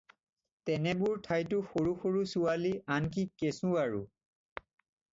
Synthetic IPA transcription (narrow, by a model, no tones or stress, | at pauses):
tɛnɛbʊɹtʰajtʊxoɹuxoɹusualiank̬ikesũaɹṵ